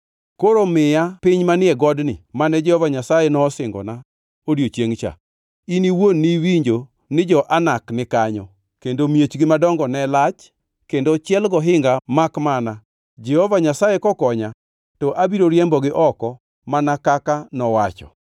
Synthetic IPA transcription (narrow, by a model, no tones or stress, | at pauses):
koɾomɪjapɪɲmanɪɛɡɔdnɪ̰manɛd͡ʒɛhovaɲasajenɔːsɪŋɡɔ̰na | odjot͡ʃeŋt͡ʃa̰ | iniwonːiwiɲd͡ʒo | nɪd͡ʒɔʔanaknɪkaɲɔ | kendomjet͡ʃɡɪmadɔŋɡɔnɛlat͡ʃ | kendot͡ʃɛlɡɔɦɪŋɡamakmana | d͡ʒɛhovaɲasajekɔkɔɲa | tɔʔabiɾoɾjɛmbɔɡɪʔɔkɔ | manakakanɔwat͡ʃɔ̰